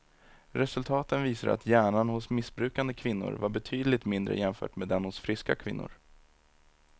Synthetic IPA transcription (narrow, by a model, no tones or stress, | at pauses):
ɾɛsɵlt̪ʰɑːt̪ənviːsad̪a̰t̪jæːɳanhʊsmɪsbɾʉ̟ːkand̪əkʰvɪn̪ːʊ̰ɾvaɾbɛt̪ʰyːd̪lɪt̪mɪnd̪ɾə̰jɛmfœ̰ːʈmeːd̪ɛnhʊsfɾɪska̰kʰvɪ̰nːʊ̰ɾ